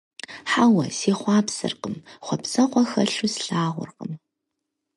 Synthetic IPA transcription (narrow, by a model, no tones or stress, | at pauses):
ħawɐseːχʷɑːpsɨ̰rqəmχʷɔpsɐqʷɔxɐɬʊsɬaːʁʷʊ̰rqəm